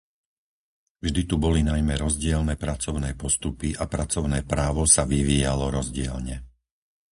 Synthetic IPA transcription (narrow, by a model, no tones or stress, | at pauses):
vʒd̪it̪ubɔlinajmɛɾɔzɟɪɛlnɛːpɾat͡sɔʊnɛːpɔst̪upiʔapɾat͡sɔʊnɛːpɾaːʋɔsaʋiʋiːjalɔɾɔzɟɪɛ̰lɲɛ